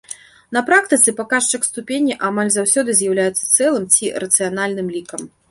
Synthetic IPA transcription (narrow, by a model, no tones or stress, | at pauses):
nɐpɾak̚t̪ɨt̪sɨpakaʂt͡ʂɨkst̪upʲenʲːiʔamalʲzawsʲɔd̪ɨzʲjawlʲajɛt̪sɐ̥t̪sɛlˠɨmt͡sʲiɾɐt̪sɨjanalʲnɨmlʲikɐm